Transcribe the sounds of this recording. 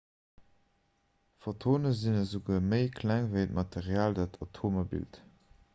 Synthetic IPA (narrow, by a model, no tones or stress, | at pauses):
fotʰoːnəzinəzuɡuːməɪkʰlæŋvəɪtmɑtʰeʁjaːldaːtʰɑtʰoːmɐbḭlt